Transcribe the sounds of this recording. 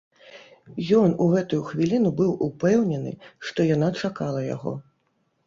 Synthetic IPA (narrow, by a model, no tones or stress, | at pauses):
jɔnuɣɛt̪ujuxvʲilʲinubɨwʔupɛwnʲɛnɨ̰ʂt̪ɔjanat͡ʂakalˠɐja̰ɣɔ̰